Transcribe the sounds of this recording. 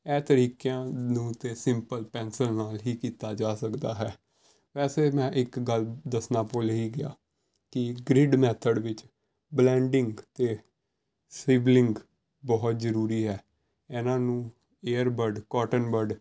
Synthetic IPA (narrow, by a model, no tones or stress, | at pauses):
ɛːt̪əɾiːkjãːnũːt̪eːsɪmpəlpɛ̃ːnsəɾnaːlɦiːkiːt̪aːd͡ʒaːsəkd̪aːɦɛː | ʋɛːseːmɛ̃ːʔɪkɡəld̪əsnaːpoːlɦiːɡɪa̰ː | kɪɡɾɪɖmɛːt̪ʰəɖʋɪt͡ʃ | blɛ̃ːɳɖɪŋɡt̪eː | sɪːblɪŋɡ | bɔːt̪zəɾuːɾiːɦɛː | ɛːnãːnũː | eːəɾbəɖkɔːʈənbəɖ